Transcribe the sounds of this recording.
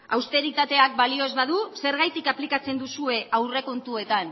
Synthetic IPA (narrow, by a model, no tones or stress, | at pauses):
a̰wst̪e̞ɾit̪at̪e̞ak̚balio̞zβaðuse̞ɾɣ̞ajt̪ikaplikat͡se̞nd̪usue̞ʔawre̞ko̞nt̪ue̞t̪an